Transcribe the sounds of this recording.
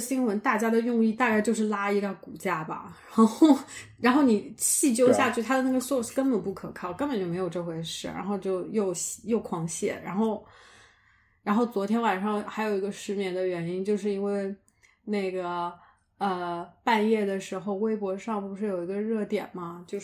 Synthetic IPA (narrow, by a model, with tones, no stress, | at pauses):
ɕi˥ŋwə˧˥nt̪a˥˩t͡ɕja˥d̪ə˨jʊ˥˧ŋi˥˧t̪a˥˩t͡ɕa˥t͡ɕo˥˧ʂɻ̩˥˩la˥i˧˥ʈ͡ʂə˥˩ku˨˩t͡ɕja˥˩bɐ̰˩ɻa˧˦xo˥˩˥ʊɻa˧˥nxo˥˩ʊni˨˩t͡ɕʰi˥˩t͡ɕjo˥ʊɕja˥˧t͡ɕo˥˩˥t̪ʰa˥d̪ə˨na˥˩ɡə˩swɔ˥˩s̩˥˩kə˥npə˨˩npu˥˩kʰɤ˨˩kʰɑ˥˩ʊkə˥npə˨˩nt͡ɕjo˥˩me˧˥ɪjo˨˩ʊʈ͡ʂɤ˥˩xwe˧˥ɪʂɻ̩˥˩ɻa̰˧˥nxo˥˧ʊt͡ɕjo˥˧ʊjo˥˧ʊɕjo˥˩ʊkʰwɑ˧˥ŋɕjɛ̰˥˩ɻa̰˧˥nxo˥˩ʊ | ɻa˧˥nxo˥˩ʊt͡swɔ˧˥t̪ʰjɛ˥nwa˨˩nʂɑ˥˩ŋxa˧˥ɪjo˨˩ʊi˧˥ɡə˧ʂɻ̩˧˥mjɛ˧˥nd̪ə˧ɥɛ˧˥ni˥nt͡ɕjo˥˧ʊʂ̬ɻ̩˥˩i˥nwe˥˧ɪ | na˥˩ɪɡə˩ | ə˧˩pa˥˧njɛ˥˩d̪ə˩ʂɻ̩˧˥xo˧ʊwe˥ɪpwɔ˧˥ʂɑ˥˧ŋpu˧˩ʂɻ̩˥˩jo˨˩i˧˥ɡə˧ɻɤ˥˩t̪jɛ̰˨˩nmɐ˦t͡ɕjo˥˧ʊ˥